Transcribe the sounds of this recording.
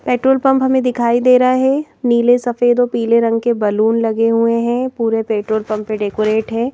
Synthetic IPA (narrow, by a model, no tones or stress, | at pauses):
peːʈɾoːlpɐ̃mpɦɐmẽd̪ɪkʰaːid̪eːɾɐaɦɛː | niːlesɐfeːd̪opiːleɾɐ̃ŋɡkebɐluːnlɐɡeɦueɦɛ̃ːpuːɾepeːʈɾoːlpɐ̃mpːeɖeːkoːɾeːʈɦɛ̃ː